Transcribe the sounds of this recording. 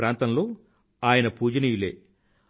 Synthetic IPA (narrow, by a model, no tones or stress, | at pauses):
ɾaːnt̪ɐmlo̞ː | aːjɐnɐpuːd͡ʒɐnijile̞̰ː